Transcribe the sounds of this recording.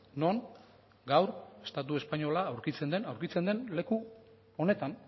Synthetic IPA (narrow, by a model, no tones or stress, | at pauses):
no̞ŋ | ɡawɾe̞st̪at̪ue̞spaɲo̞laːwɾkit͡se̞nd̪enawɾkit͡se̞nd̪e̞nle̞ku | o̞ne̞t̪an